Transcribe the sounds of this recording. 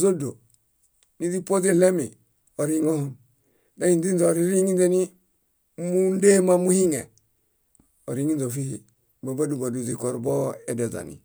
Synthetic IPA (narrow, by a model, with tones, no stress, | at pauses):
zo˦do˨ | ni˦di˦po˦ze˦le˦mi˨ | o˨ɾi˦ŋo˦ho˨n | da˦i˨nzi˦nzo˨ɾi˦ɾi˦ŋi˦nze˦ni˦ | mu˦nde˦ma˦mu˦hi˦ŋḛ˨ | o̰˨ɾi˦ŋi˦nzo˨fi˦i˨ | ba˨ba˦du˨ba˨du˨zi˨ko˨ɾbo˦e˨da˨za̰˨nḭ˨